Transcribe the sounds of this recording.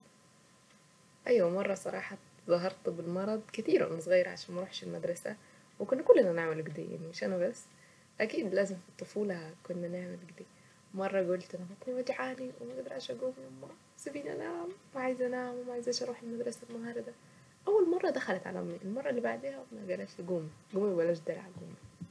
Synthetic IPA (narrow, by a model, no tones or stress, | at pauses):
ʔæjwæmɑrˤːɑsˤɑ̰ɾˤɑːħɑ | zˤɑɦɑɾˤt̪belmɑɾˤɑd̪ˤket̪iːɾʔæ̰næsˤɣɑjːɑɾʕa̰ʃæːnmæɾuːħʃelmæd̪ɾˤɑsæ̰ | wekonːækolːenæneʕmelɡed̪ḛja̰ʕnimeʃʔænæbæsː | ʔækiːd̪læːzemfit̪ˤːofuːlhkonːæneʕmelɡd̪eː | mɑrˤːɑɡolt̪ʔænæbɑt̪ˤniwæd͡ʒ̪ʕaːniwemæɡed̪ɑɾʕæʃæɡoːmimæ | sæbiːnʔæ̰naʕmmæʕaːjzʔænaʕamwemæʕajzæːʃʔɑɾuːħelmæd̪ɾˤɑsælmohɑːɾˤɑd̪æ | ʔæwːælmɑrˤːɑd̪æxælæt̪ʕa̰lʔæ̰mniʔelmɑrˤːɑelːibaʕd̪eːhæmæɡælæːʃɡoːmiɡoːmæbælæːʃd̪ælʕa̰ɡoːmi